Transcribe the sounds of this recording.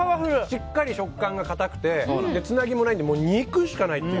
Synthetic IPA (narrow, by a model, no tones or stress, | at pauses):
aβaɸɯɕikːaɾʲiɕo̞kːãŋɡakat̪akɯ̟̥t̪e̞d̪e̞t͡sɨnaɡʲimo̞naĩd̪moːɲ̟iːkɯ̟ɕi̥kanait̪ːe